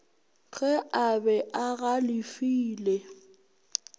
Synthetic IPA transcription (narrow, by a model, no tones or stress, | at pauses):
ɣʼɛʔabɛʔaɣalɪfiːle